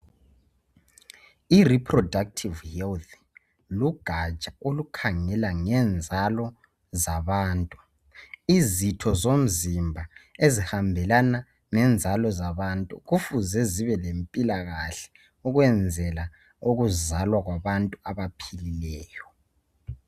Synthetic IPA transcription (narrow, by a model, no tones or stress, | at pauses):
iripʰrɔdak̚tʰivhɛlt̪ | luɡ̥ʱat͡ʃʼaolukʰaŋɛlaŋɛnd͡zʱalɔ | zaβaːntʼu | izitʰɔzom̩zimbʱaezihambʱɛlana | ŋɛnd͡zʱalɔzaβantʼṵɣufuzɛziβɛlempʼilaɣaɬɛ̥ | uɣwɛnd͡zʱɛla | oɣuzalwaɣwaβantʼuaβapʰililɛːjɔ